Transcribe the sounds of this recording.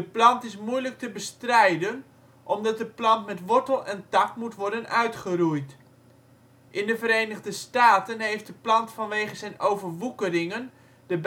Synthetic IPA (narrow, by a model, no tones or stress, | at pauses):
dəplɑntɪs̬mujlək̚təbəstrɛjdən | ʔɔmdɑt̚dəplɑntmɛtʋɔɹtəlˠɛntɑkmutʋɔɹdənœɥtχərujt | ʔɪndəvəɾejnəʁdəstaːtənɦejft̚dəplɑntfɑnʋejχəzɛjnʔowvərʋukərɪŋən | d̥əb